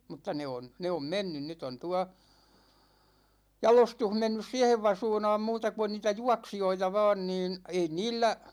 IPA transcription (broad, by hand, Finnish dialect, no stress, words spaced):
mutːɑ ne on ne om menːyn nyt on tuɑ jɑlostuh menːys siɛheʋ ʋɑsuːnɑːm muːtɑ ku on niːtæ juɑksijoitɑ ʋɑːn niːn ei niːlːæ